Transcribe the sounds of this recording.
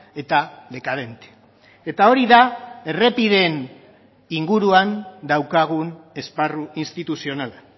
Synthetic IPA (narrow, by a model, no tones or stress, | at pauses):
e̞t̪aðe̞kað̞e̞nt̪e̥ | e̞t̪ao̞ɾiðae̞re̞piðe̞n | iŋɡuɾuand̪awkaɣ̞une̞sparuinst̪it̪usio̞nala